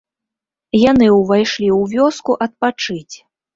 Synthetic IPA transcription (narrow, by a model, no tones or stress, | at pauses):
janɨwvajʂlʲiwvʲɔskuʔɐt̪̚pat͡ʂɨt͡sʲ